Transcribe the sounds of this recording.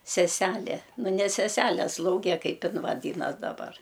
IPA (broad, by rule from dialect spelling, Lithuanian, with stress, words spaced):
sʲɛˈsʲæːlʲeː nʊ nʲɛ sʲɛˈsʲæːlʲɛ ˈslˠɐʊɡʲɛ ˈkɐɪp ˈɪn ʋɐˈdʲiːnɐs dɐˈbɐr